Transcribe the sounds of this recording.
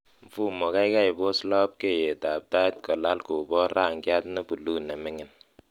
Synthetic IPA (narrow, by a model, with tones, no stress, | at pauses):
ɱ̩˨fu˦˨mo˨ka˦i˦ka˦i˨bo˦slɔ˦p̚ke˦˨je˨ta˨b̚ta˦t̚kɔ˨la˦lku˨bɔ˦ɾa˦˨ŋ̩˨ɡja˦tne˦pu˨lu˦˨ne˨me˦ŋi˨n